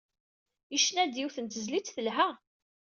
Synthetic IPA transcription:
iʃnæd̪iwθənt̪əzlit͡sθəlɦæ

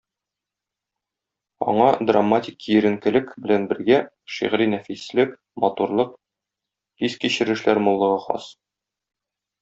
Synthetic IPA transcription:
ɒ̰ɴɑd̪ramːatʲikːiɘ̆ɾɘ̆ŋkɘ̆lɘkbɘ̆lænbɘ̆ɾɡæ | ʃḭʁɾinæfislɘk | mɒt̪uɾlˠɤq̚ | t̪iskiɕɘ̆ɾɘ̆ʃlæɾmulˠːɤ̆ʁɤχɒ̰s

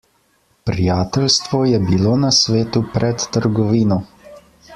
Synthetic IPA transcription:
pɾijaːt̪ɛlst̪ʋɔjɛbiloːnasʋeːt̪upɾʔɛt̪ːəɾɡɔʋiːnɔ

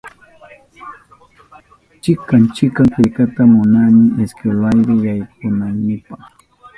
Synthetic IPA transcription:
t͡ʃɪkant͡ʃɪkaŋkɪʎkat̪amʊnamɪeskelajɾɪjajkʊnannɪpɑχ

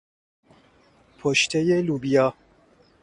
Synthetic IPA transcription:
pʰoʃt̪ʰejelubijɒː

